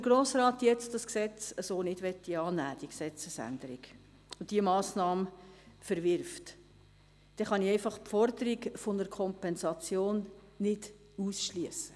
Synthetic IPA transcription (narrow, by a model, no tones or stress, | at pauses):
d̥əɾɡ̥ɾoːsrɑːt̪jɛt͡stdɑsksɛt͡səsoːnɪd̥ʋɛtːiɑːnæːd̥iəksɛt͡səsæ̰ndəɾiɡ | ʊnd̥iəmɑːsnɑːmfəɾʋɪɾft | d̥ɛχɑniɛɪfɑχpfɔrd̪əɾiɡfonəɾkʰɔmpɛnsɑt͡sjoːnː | ɪd | uːsʃliəsə̥